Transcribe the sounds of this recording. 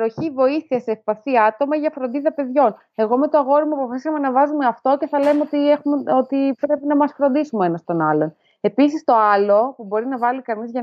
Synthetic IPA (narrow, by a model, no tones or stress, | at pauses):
pɾo̞çivo̞iθiɐseːfpɐθiɐt̪o̞mɐʝɐfɾo̞nd̪iðɐpe̞ðʝo̞n | e̞ɣo̞me̞t̪o̞ɐɣo̞ɾimuoɐpofɐsisɐmenɐvɐzume̞ɐft̪o̞ce̞θɐle̞meot̪iexumot̪ipɾe̞pinɐmɐsfɾo̞nd̪isumee̞nɐst̪o̞nɐlo̞n | e̞pis̬ist̪o̞ɐlo̞pubo̞ɾinɐvɐlikɐnizʝɐ